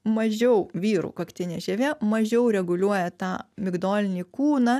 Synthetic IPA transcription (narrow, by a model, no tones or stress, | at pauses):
mɐʒʲɛʊʋʲiːɾṵːkɐkt̪ʲɪnʲeʒʲɛʋʲɛːmɐʒʲɛʊɾʲɛɡʊlʲuɔjɛt̪ɑːmʲɪɡd̪oːlʲɪnʲiːkuːnɑ